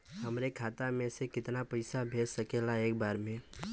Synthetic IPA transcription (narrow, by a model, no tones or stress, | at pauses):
ɦɐmɾekʰaːt̪amẽsekɪt̪napɐɪsabʱeːd͡ʒsɐkeːlaeːk̚baːɾmẽ